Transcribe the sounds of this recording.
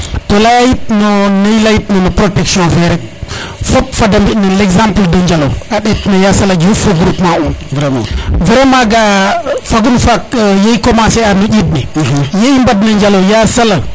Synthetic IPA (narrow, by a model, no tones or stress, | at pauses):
tolajajit̚nonajilajit̚nonopɾotekʃõveɾek̚ | fopfadambidneleɡzampldond͡ʒalo̰aɗetnojasalaɡjufoɡɾupmau | veɾemaɡafaɡunfakjeikomaseanuɟid̚nejeimbadnaɲd͡ʒalojasala